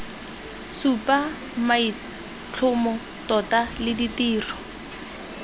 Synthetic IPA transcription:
supa | mai | t͡ɬʰʊmɔ | tɔtalɪditiːrɔ̥

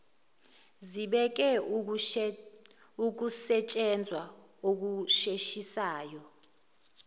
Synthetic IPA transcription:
ziɓɛk̬ɛ | uk̬usɛt͡ʃʼɛnd͡zʱwa | ok̬uʃeʃisaːjɔ

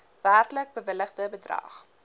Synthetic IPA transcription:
værtlək̚bəvələχdəbədrɐ̰χ

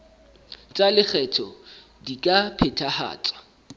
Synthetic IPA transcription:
t͡sʼalɪk͡xʰɛtʰɔ | dikʼapʰɛtʰaha̰ːt͡sʼḁ

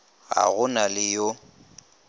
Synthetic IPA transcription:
ɣa̰ɣʊnalɪjo

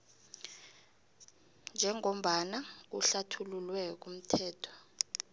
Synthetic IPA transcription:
nd͡ʒʱɛŋom̩ɓanak̬uɬatʰululwɛk̬um̩tʰɛːtʰɔ̥

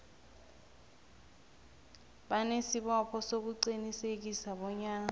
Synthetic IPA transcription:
ɓanesiɓɔpʰɔsok̬uǀinisek̬isaɓɔɲaːŋa

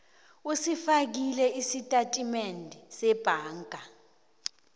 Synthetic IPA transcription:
usifak̬ilɛisitʼatʼimendʱisɛb̥ʱaːŋɡʱa

